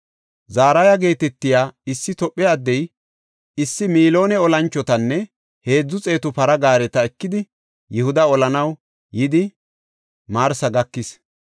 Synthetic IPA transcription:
zaːɾajaɡe̞ːt̪ɛt̪ːɪjaːɪsːɪt̪ɔpʼːɛɐd̪ːɛj | ɪsːɪmiːlo̞ːnɛɔlɐnt͡ʃːɔt̪ɐnːɛ | he̞ːd͡zːʊt͡sʼe̞ːt̪ʊpɐɾɐɡaːɾɛt̪ɐɛkːɪd̪ɪ | jɪhʊd̪ɐɔlɐnɐw | jɪd̪ɪ | maːɾsɐɡɐkːɪs

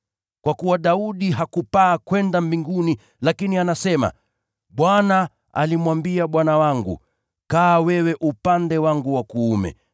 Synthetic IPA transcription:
kwakuwaɗauɗiɦakupaːkwɛndambiŋɡuni | lakinianasɛma̰ | ɓwana | a̰limwambiaɓwanawaŋɡṵ | kaːwɛwɛʔupandɛwaŋɡuwakuːmɛ̰

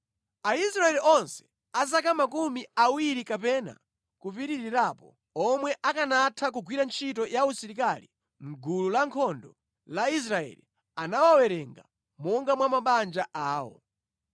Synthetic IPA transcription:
aisɾaɛliʔɔnsɛ̥ | azakamakumiawiɾikapɛna̰ | kupiɾiɾiɾapɔ | ɔmwɛʔakanatʰak̬uɡwiɾant͡ʃʰitɔjausiɾikalḭ | m̩ɡululaŋkʰɔndɔ | lais̬ɾaɛ̰li | anawawɛɾɛŋɡa | mɔŋɡamwamaɓand͡ʒaʔaːwɔ̰

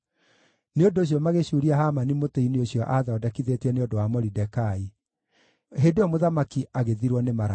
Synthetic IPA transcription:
neondoːɕ̬jɔmaɣeɕuɾiahamanimoteinioɕjɔʔaðaɔdakiðetɛneondowamɔɾidɛkai | ɦedeɔmoðamakiaɣeðiɾwɔnemaɾa

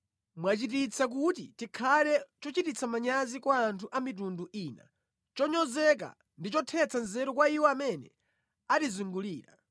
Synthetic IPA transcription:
mwat͡ʃitit͡sʰak̬utḭtikʰalɛt͡ʃɔt͡ʃitit͡sʰamaɲazikwaːntʰuʔamit̬unduʔiːna̰ | t͡ʃɔɲɔzɛk̬a̰ | ndit͡ʃɔtʰɛt͡sʰanzɛɾɔkwaiwɔamɛnɛ̰ | atizuŋɡuliːɾa̰

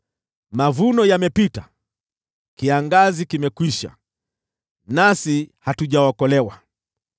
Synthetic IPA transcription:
mavunɔjamɛpita | kiaŋɡazikimɛkwiʃa̰ | nasihatuʄawakɔlɛwa

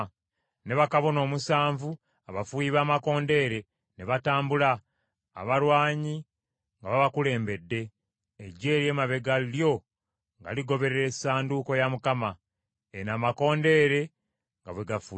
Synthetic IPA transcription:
ne̞βakaβo̞no̞ːmusaːɱvu | aβafujiβaːmako̞ːnde̞ːɾe̞ | ne̞βataːmbula̰ː | βaɾwaːɲi | ŋɡaβaβakule̞ːmbe̞dːe̞ː | ɟːe̞ːɾje̞ːmaβe̞ɡaliljo̞ | ŋɡa̰liɡo̞βe̞ɾeɾesaːnduːko̞jamukama | enaːmako̞ːnde̞ːɾe̞ | ŋɡaβwe̞ɡafu

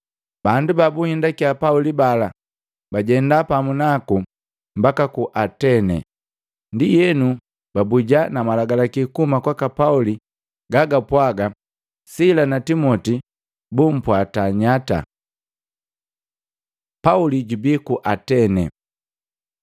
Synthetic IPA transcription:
b̥andubabuhindakiapaulibala | baɟɛndapamunaku | mbakakuʔatɛnɛ̰ | ndijɛnu | babuɟanamalaɡalakikumakwakapauli | ɡaɡapwaɡa | silanatimɔti | bum̩pwataɲata̰ | pauliɟubikuʔatɛnɛ̰

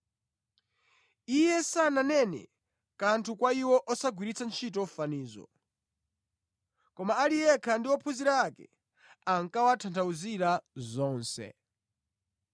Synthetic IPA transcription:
ijɛsananɛnɛ̰ | kantʰukwaiwɔʔɔsaɡwiɾit͡sʰant͡ʃʰitɔfaniːzɔ̰ | kɔmaːlijɛkʰandiwɔpʰuziɾaakɛ̰ | aŋkawatʰantʰauziɾazɔːnsɛ̰

